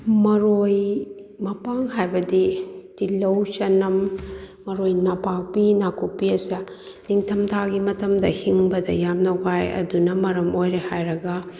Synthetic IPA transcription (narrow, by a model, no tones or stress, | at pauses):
mɐɾojmɐpaŋɦajbɐditilɐwt͡ʃɐnɐmː | ɐɾojnapak̚pinakupːiɐsɐ | niŋtʰɐmtʰaɡimɐtɐmdɐhiŋbɐdɐ̰jamnɐwɡajɐ̰dunɐmɐɾɐmojɾehajɾɐɡɐ